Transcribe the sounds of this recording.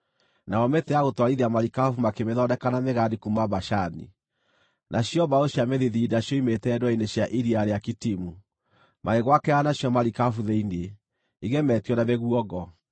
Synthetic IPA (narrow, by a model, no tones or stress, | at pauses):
naɔmetɛaɣotwaɾiðeamaɾikafumakemeðɔdɛkanameɣadikumaβaʃanḭ | nʔaɕjɔβaoɕjameðiðidaɕjɔimetɛdwɔineɕjaʔiɾiaɾeakitimu | maeɣwakɛanaɕjɔmaɾikafuðeine | iɣɛmɛtjɔnaβeɣuɔɣɔ